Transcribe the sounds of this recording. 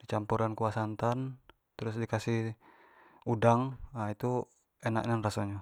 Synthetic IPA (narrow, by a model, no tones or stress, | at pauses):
dit͡ʃampuɾankuasant̪an | t̪ɾʊsdikasih | udaŋait̪u | ɛna̰ʔɲanrasoɲa